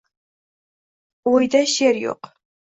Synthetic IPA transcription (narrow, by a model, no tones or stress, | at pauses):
ojd̪ɐʃerjo̰q